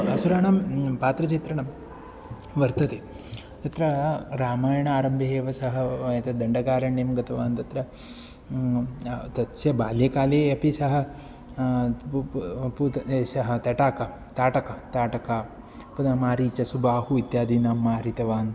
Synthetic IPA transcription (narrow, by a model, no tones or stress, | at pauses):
ɐsuɾaːɳampaːt̪ɾɐt͡ʃit̪ɾɐɳɐm | ʋɐɾt̪ɐt̪eː | t̪ɐt̪ɾɐɾaːmaːjɐɳɐaːɾɐmbʱɐɦeːʋɐsɐɦɐjɐt̪ɐd̪ɐɳɖɐɡaːɾɐɳemɡɐt̪ɐʋaːnt̪ɐt̪ɾɐ | t̪ɐt̪sjɐbaːljeːkaːleːɐpisɐɦɐ̆ | put̪sɐɦɐt̪ɐʈaːkɐ | t̪aːʈɐkɐt̪aːʈɐka | punɐmaːɾiːt͡ʃɐsubaːhuit̪jaːd̪iːnaːmːaːɾit̪ɐʋaːn